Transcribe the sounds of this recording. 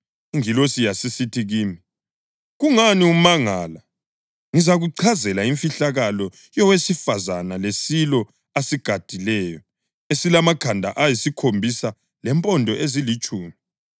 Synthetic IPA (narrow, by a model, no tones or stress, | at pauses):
iŋilosijasisitʰiɣiːmi | ɣuŋaniumaŋaːla | ŋizaɣuǀʰazɛlaiɱfiɬaɣalɔ | jɔwesifazanalesilɔ | asiɡ̥ʱad̥ʱilɛːjɔ | esilamaɡ̥ʰʱandʱaʔajisikʰombʱisa | lɛmpʼɔndʱɔʔezilit͡ʃʼuːmi